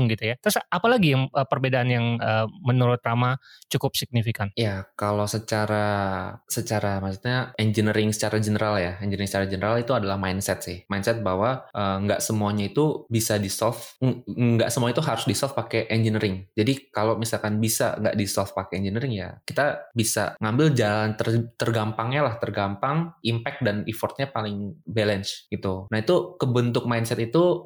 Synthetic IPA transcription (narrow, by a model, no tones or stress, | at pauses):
ŋɡit̪ujat̪ɾʊsapalaɡijaŋəpərbedaʔanjaŋəːmənuɾʊt̪ramat͡ʃukʊpsik̚nifikanjakalosət͡ʃaɾasət͡ʃaɾamasut̪̚ɲaɛnd͡ʒənəɾɪŋsə̥t͡ʃaɾad͡ʒənəɾaljaɛɲd͡ʒəɾɪŋsət͡ʃaɾad͡ʒənəɾalit̪uadalahmajnsɛt̪̚sɪhmajnsɛt̪̚baɦwaʔəŋɡa̰ʔsəmuaɲait̪ubisadisɔlfŋɡa̰ʔsəmuaɲait̪uɦaɾʊsdisɔlfpakɛʔɛnd͡ʒinəɾɪŋd͡ʒadikalomisalkanbisa̰ŋɡa̰ʔdisɔlfpakɛɛɲd͡ʒənəɾɪŋja̰kit̪abisa̰ŋambɪld͡ʒalant̪ərt̪ərɡampaŋɲalaht̪ərɡampaŋimpɛk̪̚danifɔrt̪̚ɲapalɪŋbɛlɛnt͡ʃɡit̪unaɦit̪ukəbənt̪ʊk̚majnsɛt̪it̪u